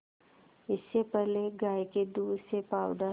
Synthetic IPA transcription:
ɪsːepɛɦleɡaːjked̪uːd̪sepaːʊd̪a

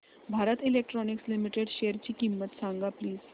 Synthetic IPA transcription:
bʱaɾət̪ilek̚ʈɾɔnikslimiʈeɽɕejəɾt͡ɕiːkimːət̪sãŋɡapliːz̥

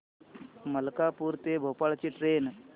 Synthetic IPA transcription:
məlkapuːɾt̪ebʱopaɭt͡ɕiːʈɾen

